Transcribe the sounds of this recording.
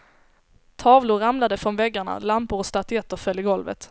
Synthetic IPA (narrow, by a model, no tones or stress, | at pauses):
t̪ʰɑːvlʊɾamlad̪əfɾɔnvɛɡːaɳa̰lampʊɾɔst̪at̪ʏɛt̪ːəɾfœlːɪɡɔlvə̰t̪